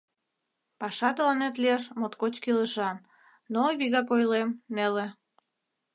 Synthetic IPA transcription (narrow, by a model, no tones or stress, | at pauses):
pɑʃɑt̪əlɑnet̪lieʃmot̪kot͡ɕkiləʃɑn | noβiɣɑkojlemnele